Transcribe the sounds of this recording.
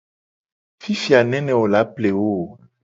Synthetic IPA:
fi˦fi˨a˨nɛ̃˦nɛ̃˨wo˨la˨˦ple˨wo˦˨

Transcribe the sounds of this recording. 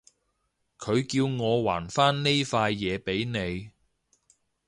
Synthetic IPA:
kʰɵ˨˧ɥkiː˧wŋɔː˨˧wa̰ː˨˩nfaː˥nne˥jfaː˧jːɛː˨˧pe˨˥jne˨˧j

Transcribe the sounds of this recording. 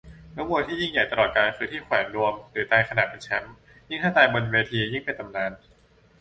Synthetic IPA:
nɯ˧˦˥muː˧˩˧t̪ʰiː˥˩ji˥˩ŋja˨˩jt̪a˧lɔː˨˩kaː˧nkʰɯː˧t̪ʰiː˥˩kʰwɛː˩˦nɾu˧əmɾɯː˩˦t̪aː˧jkʰa˧naː˨˩t̪̚pe˧nt͡ɕʰɛ˦˥m | ji˥˩ŋt̪ʰaː˥˩t̪aː˧jbo˧nweː˧t̪ʰiː˧ji˥˩ŋpa˧˩t̪a˨˩mnaː˧n

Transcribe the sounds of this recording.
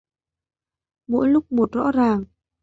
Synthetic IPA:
mo̰˧˥jlʊ˦˥k͡p̚mo˨˩t̚zɔ̰˧˥zaː˨˩ŋ

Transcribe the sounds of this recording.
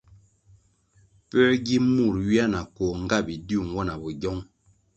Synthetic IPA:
pɛ˦ɡi˦mu˦˨ɾɥi˦a˦na˨kɔ˨ŋ̩˦ɡa˦˨bi˨di˦u˦˨ŋ˦wɔ˦na˨bɔ˨ɟɔ˦ŋ

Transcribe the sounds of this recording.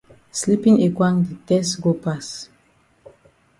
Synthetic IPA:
sli˦pĩ˦ŋe˨kwã˦ŋdi˨tɛ˦sɡo˦pas

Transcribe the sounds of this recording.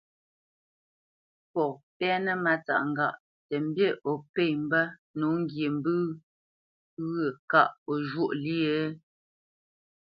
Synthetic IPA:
pɔ˨pɛ˦nə˦ma˨t͡sa̰˨ʔŋ˨ɡa˦˨ʔ | tɛ˨m˦bje˦˨ʔɔ˨pe˦˨m̩˦bə˦ | nu˨˦ŋ˦ɡje˨m˦bɨ˦ | ɣə˨ka˦˨ʔo˨ʒwo˦ʔli˦e˦

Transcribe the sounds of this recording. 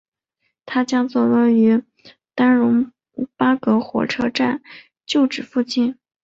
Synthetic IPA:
t̪ʰa˥t͡ɕjɑ˥ŋt͡swɔ˥˧lə˥˩y˧˥ | t̪a˥nɻʊ˧˥ŋ | pa˥kɤ˧˥xwɔ̰˨˩ʈ͡ʂʰɤ˥ʈ͡ʂa˥˩˧n | t͡ɕjo˥˩ʊʈ͡ʂɻ̩˨˩fu˥˧t͡ɕi˥˩n

